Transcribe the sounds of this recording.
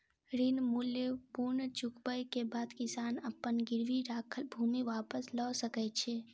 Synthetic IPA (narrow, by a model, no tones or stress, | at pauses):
ɾinmulːepuɾnət͡ʃʊkbəjkebaːd̪kɪsaːnəpːənɡɪɾʋiɾaːkʰəlbʱuːmiʋaːpəslɔːsəkɛt͡ʃʰeː